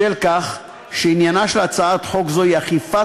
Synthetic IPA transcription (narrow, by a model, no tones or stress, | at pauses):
elkaχ | ʃeinjanaʃelat͡saat̪ħo̞kzoiaχifa